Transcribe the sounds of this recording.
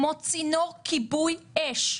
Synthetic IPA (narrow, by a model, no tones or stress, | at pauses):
mot͡sinokʰibujɛʃ